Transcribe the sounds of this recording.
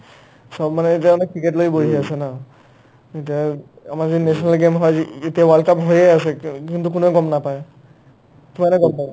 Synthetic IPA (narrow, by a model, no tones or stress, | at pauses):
sɔbmanɛet̬iaanɛkːɹiketlojboɦiasɛna | etia | amaɹziinɛsɔnalɡemɦɔjetiawalkapɦojɛasɛkintuk̬unɔkɔmnapaj | tumanɛkɔmpab